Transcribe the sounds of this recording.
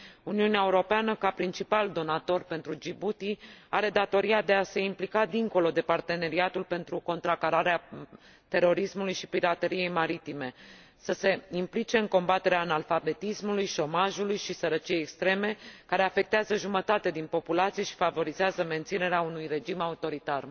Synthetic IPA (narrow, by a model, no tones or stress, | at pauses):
uniuneaeuɾo̞peanəkapɾint͡ʃipald̪o̞nat̪o̞rpe̞nt̪ɾud͡ʒibut̪iaɾe̞d̪at̪o̞ɾiad̪e̞ase̞implikad̪iŋko̞lo̞d̪e̞part̪e̞ne̞ɾiat̪ulpe̞nt̪ɾuko̞nt̪ɾakaɾaɾea | t̪e̞ro̞ɾismulujʃipiɾat̪e̞ɾije̞jmaɾit̪ime̞ | səse̞implit͡ʃe̞ɨŋko̞mbat̪e̞ɾeaɨnalfabe̞t̪ismulujʃo̞maʒulujʃisəɾət͡ʃiejekst̪ɾe̞me̞kaɾe̞afe̞k̚t̪eazəʒumət̪at̪e̞d̪inpo̞pulat̪sijeʃi̥favo̞ɾizeazəme̞nt̪sine̞ɾeaunujre̞d͡ʒimaut̪o̞ɾit̪ar